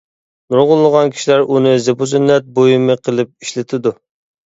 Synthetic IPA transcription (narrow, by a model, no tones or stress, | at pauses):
nuɾʁʊlˠːəʁɑnkʲʰi̥ʃilæɾʔunɨzebuzynːɛt̪̚bojimɨqʰəlˠɨp̚iʃlɪt̪ʰɪd̪u